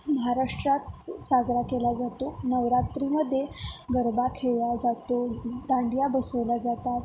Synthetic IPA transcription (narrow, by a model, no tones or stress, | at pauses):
məɦaɾaʂʈɾat̪sad͡zɾakelad͡zat̪onəʋɾat̪ɾinəd̪eɡəɾbakʰeʋjad͡zat̪od̪ãɳɖijabəsəʋlad͡zat̪at̪